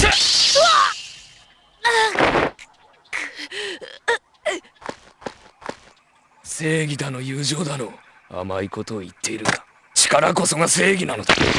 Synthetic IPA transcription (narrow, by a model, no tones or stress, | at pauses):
a | a | k | se̞ːɡʲid̪ano̞jɯ̟ːʑo̞ːd̪ano̞ | a̰maiko̞t̪o̞ːit̪ːe̞iɾɯ̟̃nd̪̥ḁ | t͡ɕi̥kaɾako̞so̞ɡase̞ːɡʲinano̞d̪a